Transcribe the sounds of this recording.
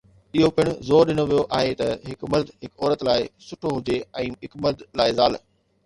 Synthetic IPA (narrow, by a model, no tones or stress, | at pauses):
ɪɦopɪɽ̃ʊzoːɾɗɪnoʋijoʔa̰ːɦet̪ɐɦɪkmɐld̪ɦɪkɔːɾət̪laːɪsʊʈʰoɦʊd͡ʑeɛ̃ːɦɪkmɐld̪laːɪzaːl